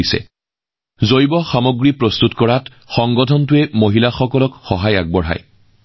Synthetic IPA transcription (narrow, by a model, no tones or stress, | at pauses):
isɛ̰ | zojbɔxamoɡɹipɹɔstutkɔɹat | xɔŋɡɔtʰɔntʊɛmoɦilaxɔkɔlɔkxɔɦaja̰ɡ̚bɔɹɦa̰j